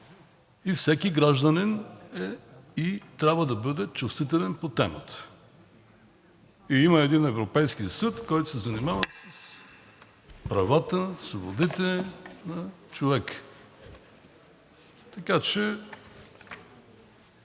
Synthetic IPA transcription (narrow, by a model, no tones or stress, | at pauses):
ifsɛkiɡɾaʒd̪əninɛit̪ɾʲabvəd̪ɐbɤd̪ɛt͡ʃust̪vit̪ɛlɛnpot̪ɛmə̰t̪ə̥ | iiməɛd̪inɛvɾopɛjskisət̪kɔjt̪ʊ̥sɛzɐnimavəsəs | pɾɐvat̪əsvobod̪it̪ɛnɐt͡ʃovɛk | t̪ɐkat͡ʃɛ